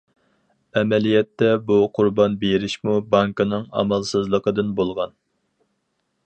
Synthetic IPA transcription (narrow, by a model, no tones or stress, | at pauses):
ɛmɛlijɛt̪ːɛbuqʰʊɾbɑnbeɾɪʃmubɑŋkɨnɨŋɑ̰mɑlˠsɨzlˠəqʰəd̪ɨnbolˠʁɑn